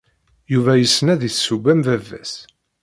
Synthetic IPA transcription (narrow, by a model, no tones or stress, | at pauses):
juvæjəsːnæðiθsːubæmvævːæ̰s